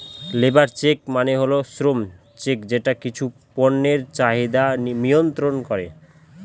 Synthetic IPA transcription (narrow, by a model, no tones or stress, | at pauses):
lebaɾt͡ɕekmaneɦolosɾom | t͡ɕekd͡ʑeʈakit͡ɕʰu | pɔnːeɾt͡ɕaɦid̪anijont̪ɾonkɔɾḛ